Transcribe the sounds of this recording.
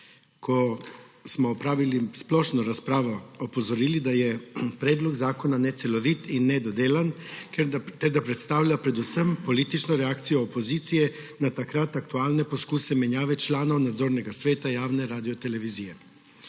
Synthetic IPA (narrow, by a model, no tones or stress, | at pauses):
kʰɔsmɔːpɾaːʋilisplɔʃnɔɾaspɾaːʋɔɔpɔzɔɾiːlid̪ajɛpɾɛːd̪lɔɡzaːkɔnanɛt̪sɛlɔʋit̪inːɛd̪ɔd̪eːlan | t̪ɛɾd̪apɾɛt̪st̪aːwljapɾɛd̪usəmpɔliːt̪it͡ʃnɔɾɛaːkt̪sijɔːpoziːt̪sijɛ | nat̪akɾat̪akt̪uaːlnɛpɔskuːsɛmɛnjaːʋɛt͡ʃlaːnɔwnad̪zoːɾnɛɡasʋeːt̪ajaːwnɛɾaːd̪ijɔt̪ɛlɛʋizijɛ